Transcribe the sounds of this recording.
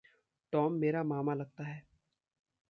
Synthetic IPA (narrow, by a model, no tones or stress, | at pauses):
ʈɔːmːeːɾamaːmalɐɡ̚t̪aɦɛː